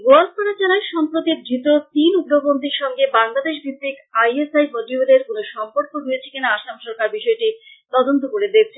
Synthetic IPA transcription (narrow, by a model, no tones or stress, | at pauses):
ɡoalpaɽat͡ɕalaeʃɔmpɾot̪id̪ɾit̪ot̪inubɾobond̪ʱiɾʃɔŋɡebaŋlad̪eʃ̬bib̪ɾikajesajmoʈiod̪eɾkonoʃɔmpoɾkoɾujet͡ɕʰe̥kinaaʃamʃɔɾkaɾbiʃɔeʈit̪ɔd̪ont̪okoɾed̪et͡ɕʰe